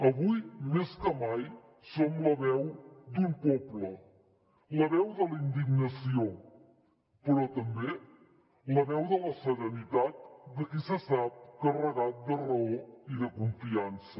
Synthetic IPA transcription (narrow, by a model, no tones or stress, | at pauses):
əβujmeskəmaj | somləβɛwd̪umpɔplə | ləβɛwðəlind̪iɡnəsio | pəɾɔt̪əmbe | ləβɛwðələsəɾənit̪at̪̚d̪əkisəsap̚kərəɣat̪̚d̪ərəoiðəkuɱfiansə